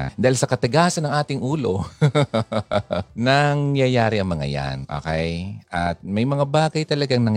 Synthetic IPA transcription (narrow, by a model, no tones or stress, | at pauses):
d̪aːhɪlsɐkɐt̪ɪɡaːsɐnːɐŋʔaːt̪ɪŋʔuːlo̞ | nɐŋːjajaːɾɪʔɐŋmɐŋa̰ja̰nʔo̰ːkɛjʔɐt̪̚mɐjmɐŋabaːɡɐjt̪ɐlɐɡaŋnɐŋ